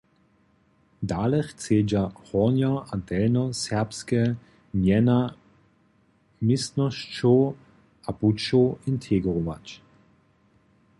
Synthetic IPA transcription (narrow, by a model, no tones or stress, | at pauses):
daːlɛχt͡seːd͡ʒahɔʁnjaadɛlnɔsɛɐpskɛ | mjɛna | mɪstnɔʃt͡ʃo | ʔaput͡ʃoʔɪntʰeɡʁɔva̰t͡ʃ